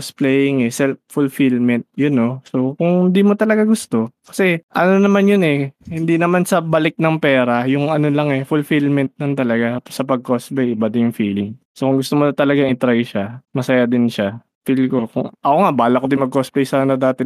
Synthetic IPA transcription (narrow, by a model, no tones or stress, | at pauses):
splɛjɪŋɛsɛlffʊlfilmɛnt̪̚jʊno̞sokʊŋhɪnd̪iːmot̪ɐlɐɡaɡʊst̪o̞kɐ̥sɛʔɐno̞nɐmanjonɛhɪnd̪inɐmansɐbɐlɪk̚nɐŋpɛːɾɐjʊŋɐno̞lɐŋɛfʊlfilmɛnt̪̚lɐnt̪ɐlɐɡasɐpɐɡ̚kosplɛjʔɪbad̪ɪnjʊŋfiːlɪŋ | sokʊŋɡʊst̪omonɐt̪ɐlɐɡaŋɪt̪ɾajʃamɐsɐjad̪ɪnʃa | filkokʊŋʔɐʔoŋaʔbaːlɐkod̪ɪnmɐɡ̚kosplɛjsaːnɐd̪aːt̪ɪ